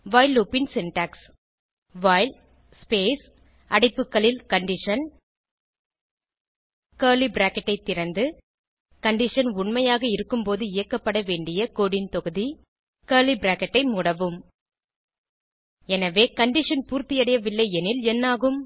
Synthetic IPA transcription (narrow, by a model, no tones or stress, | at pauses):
ʋaːɪlːoːpɪnsɪnʈaːks | ʋaːɪl | speːs | ʔɐɽɐɪpːɯkːɐɭɪlkɐɳɖɪʂɐn | kɐːɾlibɾaːkɐʈːɐɪt̪ːɪɾɐnd̪ɯ | kɐɳɖɪʂɐnʊɳmɐjaːɣɐɪɾɯkːɯmpoːðɯɪjɐkːɐpːɐɽɐʋeːɳɖɪjɐkoːɽɪnt̪ɔɣɯði | kɐːlibɾaːkɐʈːɐɪmʊːɽɐʋɯm | ɛnɐʋeːkɐɳɖɪʂɐnpuːɾt̪ɪjɐɽɐjɐʋɪlːɐɪɛnɪlɛnːaːɣɯm